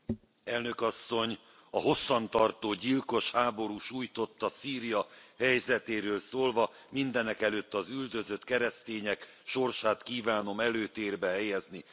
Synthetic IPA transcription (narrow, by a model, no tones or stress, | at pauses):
ɛlnø̞kɒsːo̞ɲ | ɒɦo̞sːɒnt̪ɒrt̪oːɟilko̞ʃhaːbo̞ɾuʃuːjt̪o̞t̪ːɒsiːɾijɒhɛjzɛt̪eːɾøːlsoːlvɒ | mind̪ɛnɛkɛløt̪ːɒzyld̪ø̞zø̞t̪kɛɾɛst̪eːɲɛk | ʃo̞rʃaːt̪kiːvaːno̞mɛløːt̪eːrbɛɦɛjɛzni